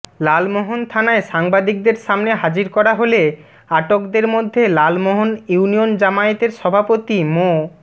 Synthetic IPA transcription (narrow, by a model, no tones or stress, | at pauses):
lalmoɦont̪ʰanaeʃaŋbad̪ik̚d̪eɾʃamneɦad͡ʑiɾkɔɾaɦole | aʈokd̪eɾmod̪ʱːelalmoɦonuuniond͡ʑamaet̪eɾʃɔbʱapot̪imo